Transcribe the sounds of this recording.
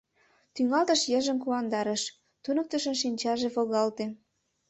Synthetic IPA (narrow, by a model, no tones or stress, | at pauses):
t̪yŋɑlt̪əʃjəʒə̆mkuɑnd̪ɑɾəʃ | t̪unɤ̆k̚t̪əʃə̆nʃinʲt͡ɕɑʒeβoɣɑlt̪e